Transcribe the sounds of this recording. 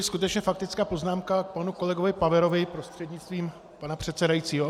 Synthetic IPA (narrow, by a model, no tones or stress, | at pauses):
ɪskut̪ɛt͡ʃɲɛfakt̪ɪt͡skaːpo̞znaːmkak̚panuko̞lɛɡovɪpavɛɾo̞vɪpɾo̞st̪r̝̥ɛdɲɪtt͡st̪viːm | panapr̥ɛt̪sɛdajit͡siːɦo